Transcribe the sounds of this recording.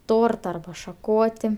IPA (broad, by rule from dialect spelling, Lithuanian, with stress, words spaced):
ˈtoːrtɐ ɐrbɐ ʃɐˈkoːtʲɪ